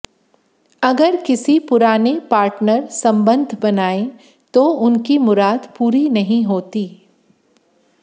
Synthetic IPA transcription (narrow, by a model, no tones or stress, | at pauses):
ɐɡəɾkɪsipʊɾaːnepaːɾʈnəɾsɐ̃mbə̃nd̪ʱbɐnaːe | t̪oʊnkimʊɾaːd̪puːɾinɐɦĩɦoːt̪iː